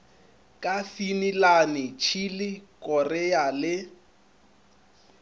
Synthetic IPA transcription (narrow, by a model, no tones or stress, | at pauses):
kʼafinilanɪt͡ʃʰilɪkʼɔrɛalɪ